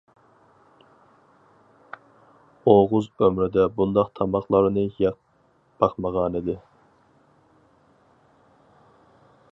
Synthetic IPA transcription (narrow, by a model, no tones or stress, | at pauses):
oʁʊzømɾɪd̪ɛbund̪ɑqt̪ʰɑmɑχlˠɑɾnɨjɑq̚ | b̥ɑqmɑʁɑːnid̪ɪ